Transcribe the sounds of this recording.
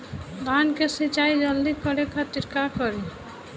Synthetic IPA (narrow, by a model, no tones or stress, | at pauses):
d̪aːnkesit͡ʃaːid͡ʒəld̪ikəɾekʰat̪ɪɾkakəɾi